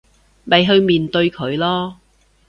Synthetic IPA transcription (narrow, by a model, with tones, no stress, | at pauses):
mɐ˨jɦɵ˧ɥmiː˨nt̪ɵ˧ɥkʰɵ˨˧ɥlɔː˥